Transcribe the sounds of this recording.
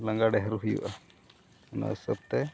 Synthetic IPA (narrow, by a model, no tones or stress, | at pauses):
laŋɡaɖɛɦəɾuɦujṵʔa | na̰səb̚t̪ɛ